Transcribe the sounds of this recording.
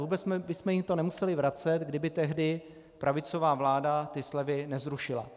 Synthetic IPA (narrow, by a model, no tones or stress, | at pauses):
vuːbɛsmɛbɪsmɛjɪmt̪o̞nɛmusɛlɪvɾat͡sɛt̪ɡdɪbɪt̪ɛɦdɪ | pɾʔavɪt͡so̞vaːvlaːdat̪ɪslɛvɪnɛzɾuʃɪla̰